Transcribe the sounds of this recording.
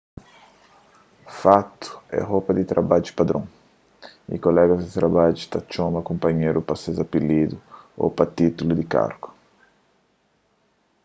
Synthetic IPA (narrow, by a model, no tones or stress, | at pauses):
fat̪u̥ɛ̰ɦopɐd̪it̪ɾabad͡ʒupad̪ɾõŋ | ḭkolɛɡɐzd̪it̪ɾabad͡ʒut̪at͡ʃomɐkũmpaɲeɾupasezapilid̪uo̰pat̪it̪ulud̪ika̰ɾɡu̥